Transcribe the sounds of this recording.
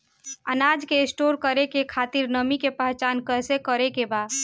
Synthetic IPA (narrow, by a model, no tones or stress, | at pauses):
ənad͡ʒkeːsʈoɾkəɾekekʰat̪iɾnəmikepəɦt͡ʃankəɦsekəɾekeba